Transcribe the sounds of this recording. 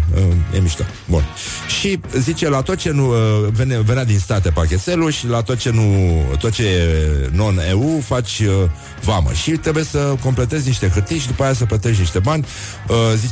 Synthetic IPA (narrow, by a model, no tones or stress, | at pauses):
əjḛmiʃt̪a̰ | bun | ʃizit͡ʃe̞lat̪o̞t̪̚t͡ʃe̞nuəveneve̞nad̪inst̪at̪epakʲe̞t̪se̞luʃilat̪ot̪̚t͡ʃe̞nut̪ot̪̚t͡ʃeno̞neufat͡ʃʲə | vamə̰ʃit̪ɾe̞buje̞səko̞mple̞t̪e̞zʲniʃt̪e̞xɨrt̪ijʃid̪upajas̬əplət̪e̞ʃʲniʃt̪e̞banʲ | əzi